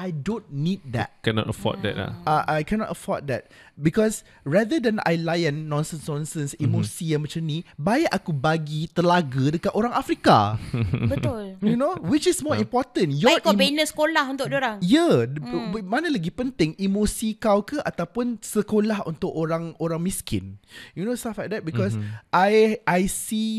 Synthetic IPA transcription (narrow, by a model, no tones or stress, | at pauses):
ʔajdõnnit̚d̪ɛ̰t̚kɛnɔ̰təfɔ̰d̪ɛ̰ta̰aʔajkɛnɔ̰təfɔt̚d̪ɛ̰t̚ | bikɔs | ɹadədɛ̃na̰jlajɛ̃nːɔ̃nsə̃nsnɔ̃nsə̃nsimosijamãt͡ʃamnĩbajaʔakubaɡit̪əlaɡədəkatoɾãŋafɾikabət̪ʊljunowɪt͡ʃɪsmɔĩmpɔt̪ə̃njɔkobenə̃sə̥kolahunt̪ʊk̚doɾaŋjə | manələɡipənt̪ɪŋimosikawkəʔat̪awpʊnsəkolaɦṵnt̪ʊkoɾãŋoɾaŋmĩskɪ̰njunost̪aflajk̚d̪ɛt̚bikɔsʔajʔajsi